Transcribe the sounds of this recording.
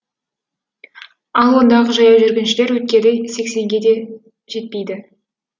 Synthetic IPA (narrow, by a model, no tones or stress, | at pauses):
ɑlˠwo̞nd̪ɑʁəʒɑjɑwʒʏɾɡʲɪnʃɪle̞ɾwɵt̪̚kʲe̞d̪ejse̞kse̞ŋɡʲe̞d̪e̞ | ʒe̞t̪̚pe̞jd̪ɪ